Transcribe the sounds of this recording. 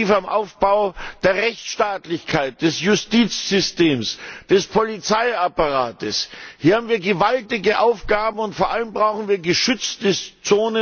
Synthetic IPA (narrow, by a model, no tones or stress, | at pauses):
iːfamʔa̰ʊfb̥aʊd̥eːɐʁɛçt͡sʃtaːtlɪçkʰaɪt̚d̥ɛsjʊstiːt͡sz̥ʏsteːmsd̥ɛspʰolit͡saɪapaʁaːtəshiːɐhaːm̩viːɐɡəvaltɪɡəʔaʊfɡ̥aːbm̩ʊntfoːɐʔaləmbʁaʊxn̩viːɐɡəʃʏt͡stət͡soːnə